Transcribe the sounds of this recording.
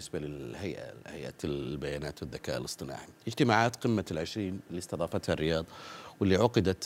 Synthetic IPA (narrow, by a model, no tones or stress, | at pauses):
ɪsbalɪhajʔa̰hajʔa̰lbajaːnaːt̪wɪðːaka̰ːʔɪlɨsˤt̪ˤɨna̰ːʕiɪd͡ʒt̪ɪmaːʕaːt̪qɪmːalʕɪʃɾiːnlːist̪ɑðˤɑːfat̪harːɪjɑːðˤwɪlːiʕʊqɪd̪at̪